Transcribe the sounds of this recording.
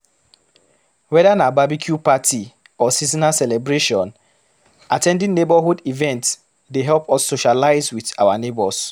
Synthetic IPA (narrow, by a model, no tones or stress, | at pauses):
wɛdanababikʰjupati | ɔsizinasɛlɛbɹeʃɔ̃n | atɛ̃ndĩŋnebɔɦudivɛ̃nts | deɦɛlpɔsːoʃalaɪzwiθawanebɔs